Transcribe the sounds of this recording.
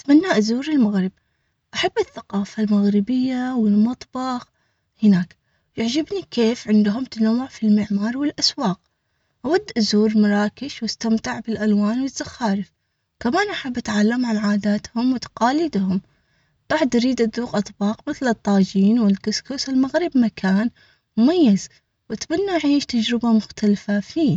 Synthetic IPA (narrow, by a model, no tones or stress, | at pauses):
t̪manːaʔzuːɾɪlmaɣɾɪb̚ | ʔaħabːɪθːaqɑːfalmaɣɾɪbɪjːawɪlmɑt̪ˤbɑx | hɪnaːk | jɪʕd͡ʒɪbnikeːfʕɪnd̪ɦʊmt̪anawːʊʕfilmɪʕmɑːɾˤwɪlʔaswɑːq̚ | ʔawad̪ːʔazuːɾmaɾˤɑːkɪʃwɪst̪amt̪aʕbɪlʔalwaːnwɪz̥ːaxaːɾɪf | kamaːnʔaħabːʔat̪ʕalːamʕanʕaːd̪aːt̪hʊmwɪt̪ḁqaːlɪd̪hʊm | t̪ˤɑħd̪ʔaɾiːd̪ʔaðuːqʔɑt̪ˤbɑːqmɪθlɨt̪ˤːɑːd͡ʒiːnwɪlkʊskʊsɪlmaɣɾɪbmakʰaːn | mʊmajːaz | wɪt̪banːuʔʕiːʃt̪ad͡ʒɾɪbamʊxt̪alfafiː